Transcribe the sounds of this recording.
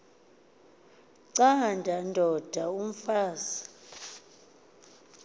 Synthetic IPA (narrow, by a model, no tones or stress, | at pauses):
ǀandʱandʱɔd̥ʱaum̩faːza